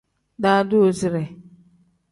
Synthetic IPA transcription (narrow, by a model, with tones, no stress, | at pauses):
da˦dʊ˦o˨zi˨ɾe˨